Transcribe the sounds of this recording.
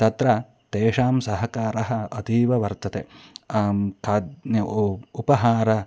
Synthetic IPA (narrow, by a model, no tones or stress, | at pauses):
t̪ɐt̪ɾɐ | t̪eːʂaːmsɐɦɐkaːɾɐɦɐ̆ɐt̪iːʋɐʋɐɾt̪ɐt̪e | kʰaːd̪ | upɐɦaːɾɐ